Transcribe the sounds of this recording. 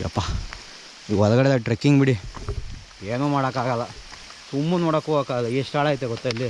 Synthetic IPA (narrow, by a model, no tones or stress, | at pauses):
ɐ̰pːa | ɔlɐɡɐɽed̪ɐʈɾekːiŋɡbiɽi | eːnuːmaːɽokːaːɡɐlːɐ | sumːunoːɽokːuokaːɐlɐeʂʈaːɭaːjt̪ːeɡɔt̪ːailːi